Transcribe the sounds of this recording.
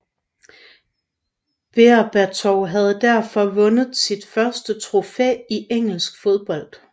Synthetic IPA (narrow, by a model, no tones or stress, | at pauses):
b̥e̝ɐb̥æɐt͡sʰɒʊɦæð̞ˠd̥æɐ̰fɒ̽ʋɔ̽nəð̩ˠsid̥fɶɐsd̥ət͡sʰʁo̝fḛːiʔeŋ̰l̩sɡ̥fo̝ð̞ˠb̥ɒ̽l̰d̥